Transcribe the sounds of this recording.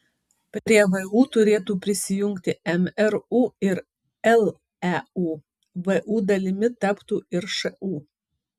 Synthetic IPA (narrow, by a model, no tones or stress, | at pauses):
pʲɾɾʲiɛʋɐuːt̪ʊɾʲeːt̪uːpʲɾʲɪsʲɪjʊŋʲkt̪ʲɪɛmɛɾuːɪɾ | ɛlˠ | ɛuː | ʋɨʔuːd̪ɐlʲɪmʲɪt̪ɐpt̪uːɪɾʃɐʔuː